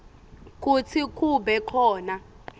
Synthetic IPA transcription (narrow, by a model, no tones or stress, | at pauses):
k̬ut͡sʰik̬ʼuɓɛkʰɔːna